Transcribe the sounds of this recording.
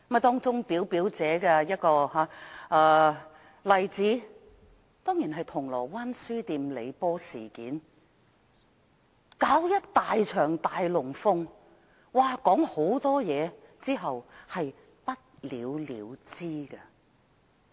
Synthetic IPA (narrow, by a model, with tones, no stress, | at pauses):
mɐ˥˩t̪ɔː˥ŋt͡sʊ˥ŋpiː˨˥wpiː˨˥wt͡sɛː˨˥kɐ˧jɐ˥t̚kɔː˧ɦaː˨˥ʔɐː˨˧ | lɐ˨jt͡siː˨˥ | t̪ɔː˥ŋjiː˨˩nɦɐ˨jt̪ʰʊ˨˩ŋlɔ̰ː˨˩waː˥nsyː˥t̪iː˧mle˨˧jpɔː˥siː˨˩kiː˨˥n | kaː˨˥wjɐ˥t̚t̪aː˨jt͡ʃʰœː˨˩ŋt̪aː˨jlʊ˨˩ŋfʊ˧ŋ | waː˨˩kɔː˨˥ŋho˨˥wt̪ɔː˥jɛː˨˧t͡siː˥ɦɐ˨whɐ˨j | pɐ˥t̚lḭː˨˧wlḭː˨˧wt͡siː˥ɡɐ˧